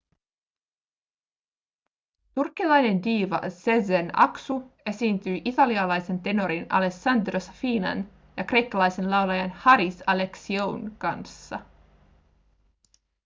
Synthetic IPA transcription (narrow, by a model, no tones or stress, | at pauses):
t̪urkːilɑjne̞ndiːʋɑ̰sezenɑ̰ksue̞siːnt̪yjʔit̪ɑliɑlɑjse̞nt̪e̞no̞ɾinɑ̰le̞sɑnd̪rosfiːnɑ̰n | jɑkre̞jkːɑlɑjse̞nlɑwlɑjɑnhɑɾisɑle̞ksiownkɑnsːɑ̰